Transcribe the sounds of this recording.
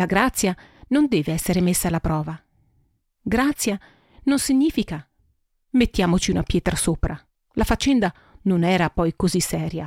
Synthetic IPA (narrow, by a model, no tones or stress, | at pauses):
laɡɾat̪sːjanond̪ɛːveɛsːeɾemesːaːlːapɾɔːva | ɡɾat̪sːja | nonsiɲːiːfika | met̪ːjaːmot͡ʃiunapjɛːt̪ɾasoːpɾa | lafat͡ʃːɛnd̪a | nonɛːɾapɔjkozisːɛːɾja